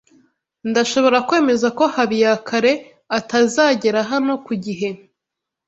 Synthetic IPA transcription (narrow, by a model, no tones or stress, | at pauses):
ndaʃo̞βo̞ɾakwe̞ːme̞zako̞haβijakʰaɾe̞ | atazaːɟe̞ɾaɦano̞kuɟiɦe̞